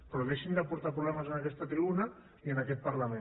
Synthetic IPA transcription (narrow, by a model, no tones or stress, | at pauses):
pɾoɣeʃind̪apuɾt̪apɾuβlamazənakɛst̪at̪ɾiβuna | iənakɛt̪̚paɾlamẽ